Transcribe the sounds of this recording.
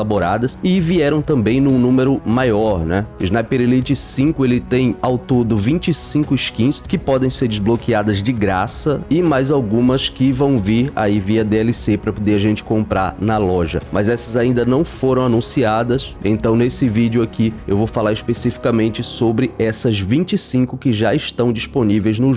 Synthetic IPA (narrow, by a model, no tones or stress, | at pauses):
laboɾad̪ɐsɪviɛɾɐ̃w̃t̪ɐ̃mbẽj̃nũnũmeɾʊmajɔɾnɛɪʒnajpeɾlit͡ʃɪsĩkʊelɪt̪ẽj̃awt̪od̪ʊvĩnt͡ʃɪsĩkʊɪʃkĩskɪpɔd̪ẽj̃seɾd͡ʒɪzblokiad̪ɐzd͡ʒɪɡɾasɐɪmajzawɡũmɐskɪvɐ̃w̃viɾa̰iviɐd̪eɛlisepɾɐpod̪eɾaʒẽnt͡ʃɪ̥kõmpɾaɾnɐlɔʒɐ̰mɐzɛsɐzaĩnd̪ɐnɐ̃w̃foɾɐ̃w̃anũsiad̪ɐs | ḛ̃nt̪ɐ̃w̃nesɪvid͡ʒʊakiewvowfalaɾɪʃpesifi̥kɐmẽnt͡ʃɪsobɾɪɛsɐzvĩt͡ʃɪsĩŋkʊkɪʒaɪʃt̪ɐ̃w̃d͡ʒisponivejznʊ